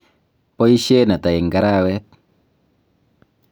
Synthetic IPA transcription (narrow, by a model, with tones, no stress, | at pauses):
pɔ˦i˦ʃe˦na˨ta˨ɪ˨ŋɡa˦ɾa˦wɛ˦t̚